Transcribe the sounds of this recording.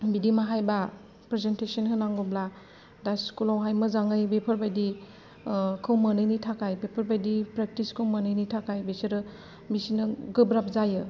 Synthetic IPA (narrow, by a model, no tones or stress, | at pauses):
bidimaɦajba | pɾezentesənhɯnaŋɡɔbla | daskulawɦajmɯzaŋɯjbepʰɐɾbajdi | kʰɯwmənɯjnitʰakʰajbepʰɐɾbajdipɾek̚tiskʰɯwmanɯjnitʰakʰajbeseɾɯ | misinɯɡɯbɾap̚zajɯ